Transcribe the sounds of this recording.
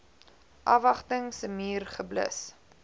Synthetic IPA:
ʔɐvɐχtəŋsəmiːrχəblə̰s

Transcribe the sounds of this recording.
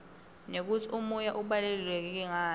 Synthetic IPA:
nek̬utʰiʔumujaʔuɓalelilwɛk̬ɛk̬ɛŋaː

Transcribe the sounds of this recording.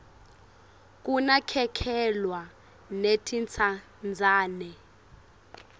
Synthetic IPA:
k̬ʼunakʰɛkʰɛlwa | netʰint͡sʰa | nd͡zʱaːnɛ

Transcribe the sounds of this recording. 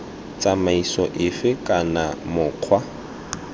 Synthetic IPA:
t͡sʼamaisɔʔɪfɪkʼanamʊːq͡χʰwa

